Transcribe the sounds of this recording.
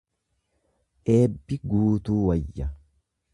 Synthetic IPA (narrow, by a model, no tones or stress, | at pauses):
ʔe̞ːbːɪɡuːt̪uːwɐjːɐ